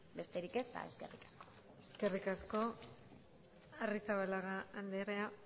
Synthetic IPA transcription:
be̞st̪e̞ɾike̞st̪a̰e̞̰ske̞̰rikḁsko | eske̞rikasko̞ | arisaβalaɣaːnd̪eɾea

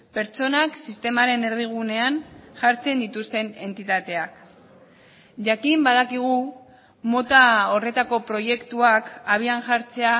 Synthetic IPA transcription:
pe̞ɾt͡so̞naksist̪e̞maɾe̞ne̞ɾðiɣ̞une̞anʝaɾt͡se̞nd̪it̪ust̪e̞ne̞nt̪it̪at̪e̞ak | ʝakimbað̞akiɣ̞u | mo̞t̪ao̞re̞t̪ako̞pɾo̞je̞kt̪uakaβ̞ianʝaɾt͡se̞a

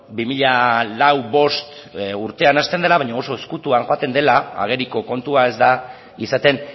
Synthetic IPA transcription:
bimiʎalawbo̞st̪uɾt̪e̞anast̪end̪e̞laβajɲaoso̞eskut̪uaŋxo̞at̪e̞nd̪e̞laa̰ɣ̞e̞ɾiko̞ko̞nt̪uae̞zd̪a | isat̪e̞n

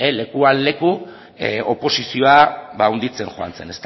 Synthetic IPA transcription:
ele̞kuanle̞ku | o̞po̞sisio̞aβaund̪it͡se̞nxoa̰nt͡se̞̰ne̞st̪

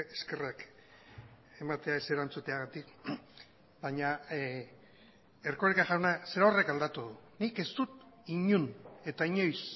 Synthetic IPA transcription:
eske̞rak | e̞mat̪e̞aese̞ɾant͡sut̪eaɣat̪ik | baɲa | erko̞ɾekaʝawnase̞ɾaore̞kald̪at̪uðunike̞st̪ut̪iɲune̞t̪aiɲo̞js

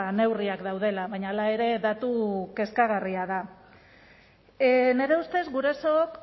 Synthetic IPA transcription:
ne̞wriakd̪awð̞e̞laβajɲaːlae̞ɾe̞ðat̪uke̞skaɣ̞ariað̞a | neɾe̞ust̪e̞zɣuɾasoːk

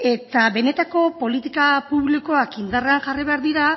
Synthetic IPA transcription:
e̞t̪aβe̞ne̞t̪ako̞po̞lit̪i̥kapuβliko̞akind̪areaŋʝariβe̞aɾðiɾa

